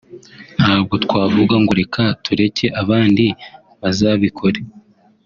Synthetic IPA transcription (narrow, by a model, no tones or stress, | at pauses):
nhaːb̚ɡo̞tkwaːvuɡaŋɡoɾe̞kʰatʰuɾe̞ce̞ʔaβaːndi | βazaːβikʰo̞ɾe